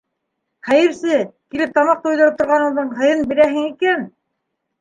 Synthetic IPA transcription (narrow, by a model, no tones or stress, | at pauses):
χæjɘ̆ɾsɘkilɘp̚t̪ɑmɑq̚t̪uujðɑɾ̚t̪ŏɾʁɑnɤ̆ɴðɤɴɦɤ̆jɤnbiɾæɦɘŋikæn